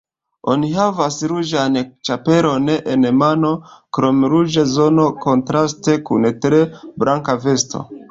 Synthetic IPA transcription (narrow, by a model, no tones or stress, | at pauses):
o̞̰niɦavasɾud͡ʒanet͡ʃape̞ɾo̞neʔenmano̞kɾo̞mɾud͡ʒazo̞no̞ko̞ntɾaste̞kṵntɾe̞bɾʔaŋkave̞sto̞̰